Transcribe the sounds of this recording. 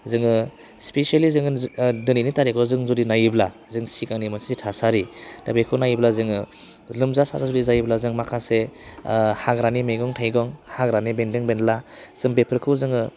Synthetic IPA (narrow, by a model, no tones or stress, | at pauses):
zɯŋɯ | spesalizɯŋdɯninitaɾekʰɔzɯŋzudinajiblazɯŋsikaŋnimɯnsizitʰasaɾidabekʰɯnajiblazɯŋɯ | lɯmzasa̰sazudizajblazɯŋmakʰase | haɡɾanimeɡɔŋtʰajɡɔŋhaɡɾanibendɯŋbenlaz̥ɯŋbepʰɯɾkʰɯzɯŋɯ